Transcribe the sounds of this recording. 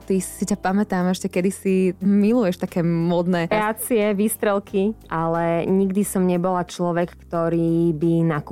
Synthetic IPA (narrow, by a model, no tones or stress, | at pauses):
t̪isicapamɛt̪aːmɛʃcɛkɛd̪isimilujɛʃt̪akɛːmɔd̪nɛːɾɛat͡siɛʋiːst̪ɾɛlˠkiʔalɛɲiɡd̪isɔmɲɛbɔlat͡ʃlɔʋɛkːt̪ɔɾiːbinaku